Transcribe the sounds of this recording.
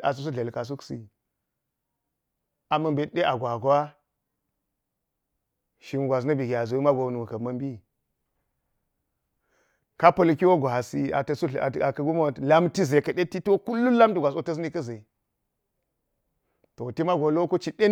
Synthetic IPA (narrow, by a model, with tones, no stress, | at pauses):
a̰˨s̬u˨˦s̬u˦ɮe˨lka˨s̬u˦ksḭ˨ | a˨mɐ˨mbe˨tɗe˦ʔa˨ɡʷa˨ɡo˨˦wa˦ | ʃi˨m˨ɡʷa˨s̬nɐ˦bi˨ɡʲi˨a˨zu˨wma˦ɡʷo˨nu˨wu˨kɐ˨mɐ˦mbi˦ | ka˦pɐ˨lki˦wo˦ɡʷa˨si˦a̰˨tsu˦˨a˨kɐ˨ɡu˦mo˦˨la˦mti˦ze˨kɐ˨ɗe˦ti˦two˦ku˦lːu˦la˦mti˨ɡʷa˨s̬o˨˦tɐ˦sni˦kɐ˦ze˨ | to˨ti˦ma˦ɡo˨lo˦ko˦t͡ʃi˨ɗe˦